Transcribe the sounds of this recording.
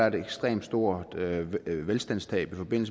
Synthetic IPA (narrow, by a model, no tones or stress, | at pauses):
ɐdeɡ̥sd̥ʁḛːmd̥sd̥o̝ɐ̰d̥ʋelsd̥æn̰st͡sʰɛ̰ːb̥ifɒ̽b̥e̝n̰l̩sə